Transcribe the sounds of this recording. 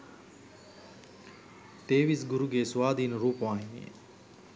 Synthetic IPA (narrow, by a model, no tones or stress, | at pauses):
ʈ̪eːʋisɡuɾuɡeːsuʋaːd̪ʱiːnəɾuːpʋãːɦinḭjḛ